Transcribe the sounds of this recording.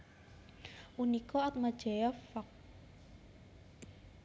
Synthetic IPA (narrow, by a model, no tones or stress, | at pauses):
unikɔɔt̪̚mad̥ʒ̥ɛjɔfɔk̚